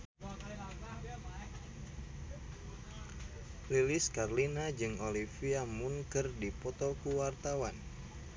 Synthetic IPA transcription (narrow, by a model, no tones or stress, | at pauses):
lilɪskarlinad͡ʒɨŋolifiamuŋkərdipɔt̪ɔkuwart̪awan